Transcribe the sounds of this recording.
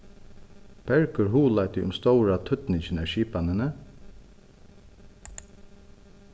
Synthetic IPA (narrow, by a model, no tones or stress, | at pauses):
b̥ɛɹkʏɹɦuːlajt̪ɪʔʊ̰mst̪ɔwɾat̪ʰʏt̪nɪt͡ʃɪnɛʃiːpanɪnə